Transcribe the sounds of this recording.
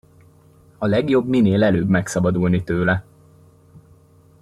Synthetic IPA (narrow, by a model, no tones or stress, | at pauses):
ɒlɛɡjo̞bmineːlɛløːbmɛksɒbɒd̪ulnit̪øːlɛ